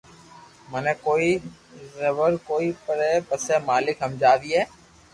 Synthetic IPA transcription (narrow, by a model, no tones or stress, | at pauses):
mənɛ̃ːkoːiːɾəʋəɾkoːiːpəɾɛːpəsɛːmaːlɪkɦəmd͡ʒaːʋiːɦɛː